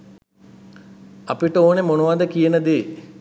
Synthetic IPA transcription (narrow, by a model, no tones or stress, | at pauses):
ɐpiʈəoːnemonuʋad̪əkijənəd̪eː